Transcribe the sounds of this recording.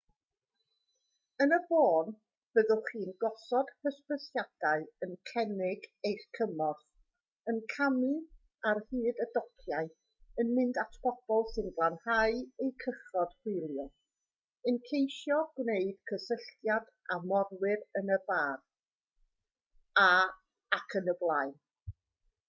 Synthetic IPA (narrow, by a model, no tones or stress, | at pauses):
ənəboːn | v̥əðɔχiːnɡɔsɔd̥kʰəspəsjad̥aɨənkʰɛnɪɡejχkʰəmɔθ | ənkʰamɨ | arhɨːdədɔkʰjaɨ | ənmɪndatʰpɔb̥ɔlˠsɪnblˠanhaɨejkʰəχɔd̥hɪɨlˠjɔ | ɨnkʰejʃjɔɡ̥neɨd̥kʰəsəɬtjad | amɔrwɪɾənəbaːr | a | akʰənəblˠaɨn